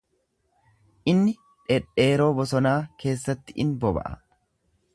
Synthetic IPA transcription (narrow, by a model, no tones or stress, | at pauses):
ʔɪnːɪ | ᶑɛᶑe̞ːɾo̞ːbɔsɔnaːke̞ːsːɐt̪ːɪɪnbɔbɐ̰ʔɐ̰